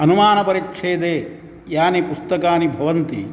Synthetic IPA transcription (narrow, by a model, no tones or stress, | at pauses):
ɐnumaːnɐpɐɾikʂʰeːd̪eː | jaːnipust̪ɐkaːnibʱɐʋɐnt̪ḭ